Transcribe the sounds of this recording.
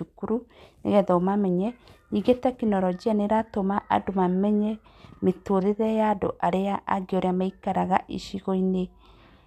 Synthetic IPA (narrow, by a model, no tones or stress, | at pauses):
ukuɾunḛɣɛðɔomamɛɲɛ | iɣetɛkinɔɾɔd͡ʒianeɾatomaʔa̰domamɛɲɛ | metoɾeðɛjado̰ʔaɾeaʔa̰ɡeoɾeamaikaɾaɣaʔiʃiɣoine